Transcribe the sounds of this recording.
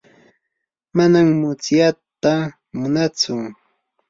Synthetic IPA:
manammʊt͡sjat̪a | mʊnat͡sʊ

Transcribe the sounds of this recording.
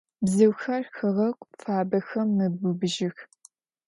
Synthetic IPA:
bzɨwxɐrxɨʁɐkʷʼfaːbɐxɐmːɨbʊbʒɪx

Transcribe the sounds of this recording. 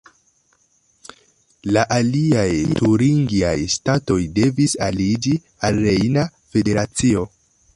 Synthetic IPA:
laʔaliajtuɾiŋɡiajstato̞jde̞visalid͡ʒi | alɾejnafe̞de̞ɾat͡sio̞

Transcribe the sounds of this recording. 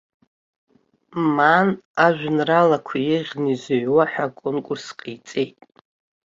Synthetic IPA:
manaʒᶣʷnralakʷʰajɪʁʲnizoɥwaħʷᶣakʷʼʊnkʷʼʊrsqʰʼijt͡sʼe̞jtʼ

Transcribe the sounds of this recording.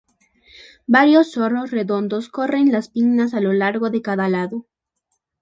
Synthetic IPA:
baɾjo̞sːo̞ro̞sre̞ðo̞nd̪o̞sko̞re̞nlaspiŋnas̬alo̞laɾɣo̞ðe̞kaðalaðo

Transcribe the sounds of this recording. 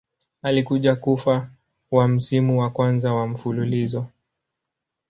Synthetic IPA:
alikuʄakufa | wam̩simuwakwanzawam̩fululizɔ

